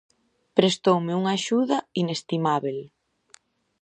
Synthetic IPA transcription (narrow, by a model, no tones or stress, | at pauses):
pɾest̪owmɪuŋaʃuðɐinest̪imaβel